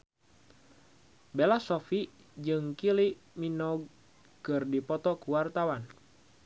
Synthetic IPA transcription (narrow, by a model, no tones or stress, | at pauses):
belasɔfi | d͡ʒɨŋkiliʔ | minɔɡ̚ | kɨrdipɔt̪ɔkuwart̪awan